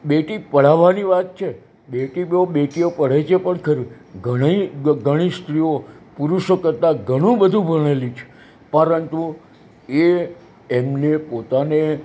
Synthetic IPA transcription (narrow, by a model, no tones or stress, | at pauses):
beʈipəɽ̤aʋaniʋat̪̚t͡ʃʰe | beʈiboɓeʈiopəɽ̤at͡ʃʰepəɳkʰəɾi | ɡʱəɽ̃iɡʱəɽ̃ist̪ɾiopuɾuʃokəɾt̪aɡʱəɽ̃ũbəd̪ʱũbʱəɽ̃elit͡ʃʰe̥ | pəɾənt̪u | e | emnepot̪ane